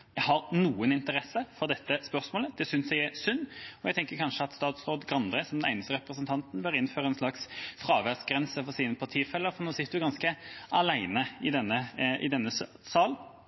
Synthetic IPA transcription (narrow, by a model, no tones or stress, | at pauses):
jæɦɑɾnuːənɪnt̪əɾɛsːəfɔɾd̪ɛt̪ːəspœɾsmoːləd̪̥ɛsʏnsjæɪæsʉnːɔjæɪt̪ʰɛŋkəɾkʰɑnʂəɑt̪st̪ɑːt̪sɾoːd̪ɡɾɑnd̪ɾɛsɔmd̪ɛnæɪnəst̪əɾɛpɾəsənt̪ʰɑnt̪n̩bœɾɪnføːɾəɛnsʂlɑksfɾɑːʋæsɡɾɛnsəfɔsiːnəpʰɑt̪ʰiːfɛlːəɾfɔʁnoːsɪt̪əd̪ʉɡɑnskəʔɑlæɪnəɪd̪ɛnːəʔɪ̰d̪ɛnːəs | sɑːl